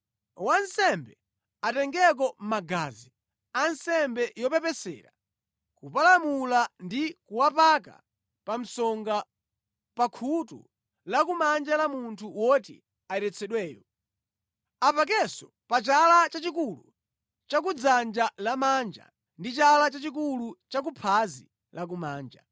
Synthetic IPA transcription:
wansɛmbɛ | atɛŋɡɛk̬ɔm̩maɡaːzi | ansɛmbɛjɔpɛpɛsɛ̰ɾa | kupalamulandikuwapaka̰ | pam̩sɔŋɡa | pakʰutṵ | lakumand͡ʒalamuntʰuwɔt̬ḭ | aɛɾɛt͡sʰɛɗwɛːjɔ | apak̬ɛsɔ | pat͡ʃalat͡ʃat͡ʃikulu | t͡ʃak̬ud͡zand͡ʒalamand͡ʒa̰ | ndit͡ʃalat͡ʃat͡ʃik̬ulut͡ʃak̬upʰazi | lak̬umaːnd͡ʒa̰

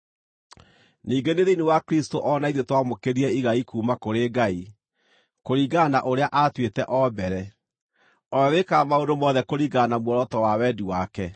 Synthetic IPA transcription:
niːɡeneðeinewakɾistoʔɔnaiðetwamokeɾiɛiɣaikuːmakoɾeɡai | koɾiɡanaʔoɾeaʔatwetɛʔɔbɛɾɛ | ɔɛwekamaondomɔðɛkoɾiɡanamwɔɾɔtɔwawɛdiwakɛ

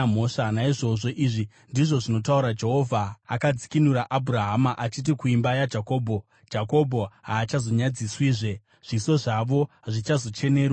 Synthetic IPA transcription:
m̤oʂanaiʐo̞ʐo̞ʔiʐi | ndiʐo̞ʐino̞tauɾad͡ʒe̞ɦo̞vʱaakad͡zikinuɾaʔabʱuraɦamaʔat͡ʃit̬ikuimbajad͡ʒako̞ːbʱo̞ | d͡ʒako̞bʱo̞ɦaːt͡ʃazo̞ɲad͡ziswiːʐe | ʐ̥iso̞ʐaʋo̞ | ʐit͡ʃazo̞t͡ʃe̞ne̞ːɾ

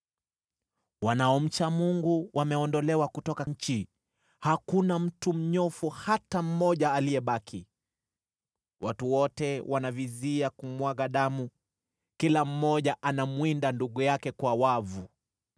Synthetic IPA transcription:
wanaɔm̩t͡ʃamuŋɡuwʔamɛɔndɔlɛwakutɔkaɲ̩t͡ʃi | hakunam̩tum̩ɲɔfuhatam̩mɔʄaːlijɛɓakʰi | watuwɔtɛwʔanaviziakumwaɠaɗamu | kilam̩mɔʄaʔanamwindanduɠujakɛkwawavu

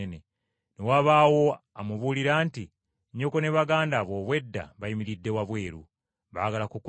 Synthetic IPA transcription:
ne | newaβaːwo̞ | amuβuliɾaːnti | ɲo̞kone̞βaɡaːndaβo̞ːβwe̞dːa̰βaimiɾidːe̞waβwe̞ːɾṵ | βa̰aɡalakuku

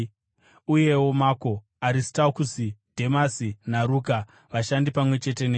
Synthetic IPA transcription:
uje̞wo̞maːko̞ | aɾistaokusidʱe̞masinaɾuːka | ʋaʃandipamwe̞t͡ʃe̞te̞ne

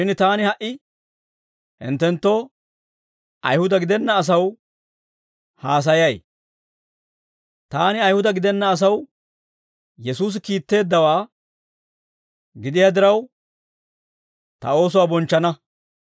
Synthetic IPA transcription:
ʃɪnt̪aːnɪhɐʔɪ | hɪ̰nt̪ːɛnt̪ːo̞ː | ɐ̰jhʊd̪ɐɡɪd̪ɛnːɐːs̬ɐw | haːs̬ɐjɐj | t̪aːnɪɐjhʊd̪ɐɡɪd̪ɛnːɐːs̬ɐw | jɛsuːs̬ɪkiːt̪ːe̞ːd̪ːɐwaː | ɡɪd̪ɪjad̪ɪɾɐw | t̪ɐ̰o̞ːs̬ʊwaːbɔnt͡ʃːɐnɐ

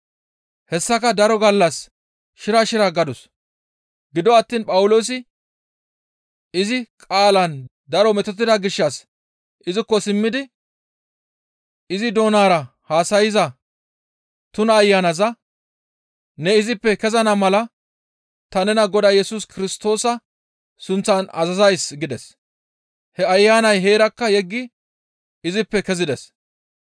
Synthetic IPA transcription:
hɛsːɐkɐd̪ɐɾɔɡɐlːɐs | ʃɪɾɐʃɪɾaɡɐd̪ɔs | ɡɪd̪ɔɐt̪ːiːnpʼɐwʊlo̞ːs̬ɪ | ɪzɪkʼaːlɐn | d̪ɐɾɔmɛt̪ɔt̪̬ːɪd̪ɐɡɪʃːɐs | ɪzɪkːɔsɪmːɪd̪ɪ | ɪzɪd̪o̞ːnaːɾɐ | haːsɐjɪzɐ | t̪ʊnɐːjːaːnɐzɐ | nɛɪzɪpːɛkɛzɐnɐmɐlɐ | t̪ɐnɛnɐɡɔd̪ɐːjɛsuskɪɾɪst̪o̞ːsɐ | sʊnt͡sːɐnɐ̰zɐzɐjsɡɪd̪ɛs | hɛɐjːaːnɐjɦe̞ːɾɐkːɐjɛɡːɪ | ɪzɪpːɛkɛzɪd̪ɛs

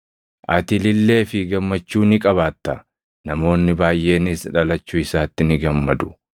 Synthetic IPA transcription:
ʔɐt̪ɪlɪlːe̞ːfɪɡɐmːɐt͡ʃːuːnɪkʼɐβaːt̪ːɐ | nɐmo̞ːnːɪbaːjʔe̞ːnɪsᶑɐlɐt͡ʃːʊɪsaːt̪ːɪnɪɡɐmːɐd̪ʊ

